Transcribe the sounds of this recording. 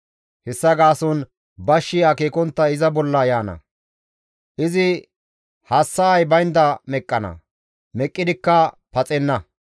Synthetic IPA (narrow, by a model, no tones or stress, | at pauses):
hɛsːɐɡaːsɔn | bɐʃːɪakeːkɔnt̪ːɐɪzɐbɔlːɐjaːnɐ̰ | ʔɪzɪ | hɐsːɐːjbɐjnd̪ɐmɛkʼːɐnɐ̰ | mɛkʼːɪd̪ɪkːɐpɐt͡sʼɛnːɐ